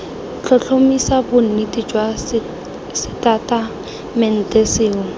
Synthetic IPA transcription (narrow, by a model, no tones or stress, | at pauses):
ɬʰɔɬʰomisabʊn̩nɪdid͡ʒwa | sɪtatʼa | mɛn̩teseːn̩